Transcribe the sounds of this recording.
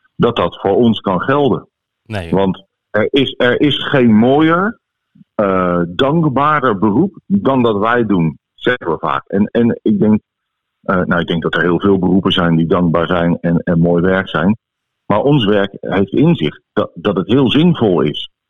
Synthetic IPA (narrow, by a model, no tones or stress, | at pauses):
dɑt̚dɑtfʊːɹɔnskɑnχɛlˠdən | ʋɑnt | ɛɹɪsɛɹʔɪsχejnmoːjəɹ | dɑŋɡbaːdəɹbərupdɑndɑtʋɛjdun | z̥ɛkʋɛlˠva̰ːkɛ̰nɛnɪɡ̚dɛŋk̚ | ʔəna̰wɪɡ̚dɛŋɡ̚dɑtəɹɦɪːlˠvɪːlˠbərupənzɛjndidɑŋɡ̚baːɹzɛjnɛnɛnmoːjʋɛɹksɛjn | maːɹʔɔnsʋɛɹkɦejftɪnzɪχt̚ddɑtətɦɪːlˠzɪnvɔlˠɪ̰s